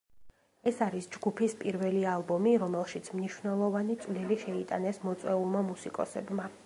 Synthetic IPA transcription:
ɛsaɾisd͡ʒɡupʰispʼiɾvɛlialˠbɔmiɾɔmɛlˠʃit̪sʰmniʃwnɛlˠɔvanit̪sʼvliliʃɛit̪ʼa̰nɛsmɔt̪sʼwɛulˠmamusikʼɔ̰sɛbma

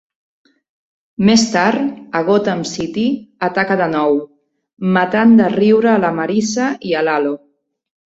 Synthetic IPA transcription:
mest̪aɾt̪əɣ̞ot̪aːmsit̪iət̪akəðənɔw | mat̪and̪əriwɾəːləməɾisəiəlalo

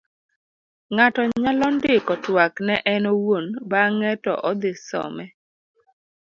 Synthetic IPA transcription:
ŋatɔɲalɔndɪkɔtwaknɛʔɛnowonbaŋɛtɔ̰ʔɔd̪ɪsɔ̰mɛ

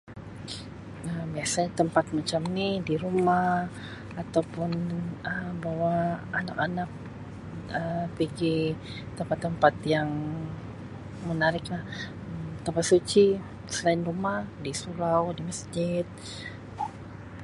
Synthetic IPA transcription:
əmbiasaɲat̪əmpat̪̚mat͡ʃamnidiɾuma | at̪awpʊnəmbawaana̰kanak̚ | əpəɡi | t̪əmpat̪ːəmpat̪jaŋ | mənaɾɪklah | əmt̪əmpat̪̚sut͡ʃi | səlaɪnrumahdisuɾawdiməsd͡ʒɪt̪̚

